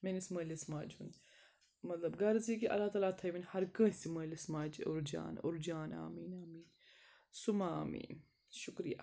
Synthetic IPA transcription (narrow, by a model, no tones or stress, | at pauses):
menismɐːlɐsmaːd͡ʒund̪ | mɐt̪lɐbɡɐɾzik̬iʔɐ̰lːaːt̪aːlaːt̪ʰɐjʋinʲhɐɾkə̃ːsiməːlɐsmaːd͡ʒṵɾd͡ʒa̰ːnṵɾd͡ʒaːna̰ːmiːnaːmiːn | sumaːmḭːn | ʃukɾija̰